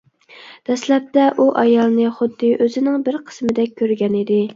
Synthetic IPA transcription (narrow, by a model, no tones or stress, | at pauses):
d̪̥ɛslɛp̚t̪ɛʔuʔɑjɑlˠnɨχʊd̪ːɨʔøzɪnɪŋbɪɾqʰə̥smɪd̪ɛk̚ʲʰːøɾɡʲɛnɪd̪ɪ